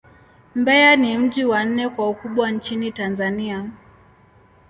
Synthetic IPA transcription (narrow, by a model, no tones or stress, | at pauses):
mbɛjanim̩ʄiwan̩nɛkwaukuɓwant͡ʃinitanzania